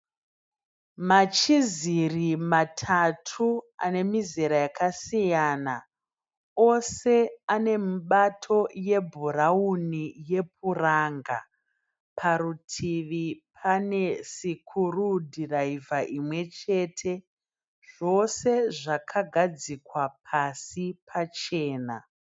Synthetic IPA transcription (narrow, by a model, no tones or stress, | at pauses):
mat͡ʃizirimatʰatʰua̰ne̞mizeɾajakasijana | o̞se̞ane̞muɓatʰo̞je̞bʱuraunije̞p̚ʰuraːŋɡa̰ | pʰaɾutʰiʋipʰane̞sikʰurudʱiraivaʔimwe̞t͡ʃe̞ːtʰe̞ | ʐ̥o̞se̞ʐakʰaɡʱad͡zikwapʰasipʰat͡ʃe̞ːna̰